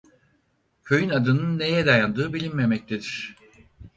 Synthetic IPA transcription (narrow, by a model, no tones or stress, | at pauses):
cʰøjynad̪ɯnɯnːe̞jɛd̪ajand̪ɯːbilʲinme̞mɛc̚t̪ʰed̪iɾ̝̥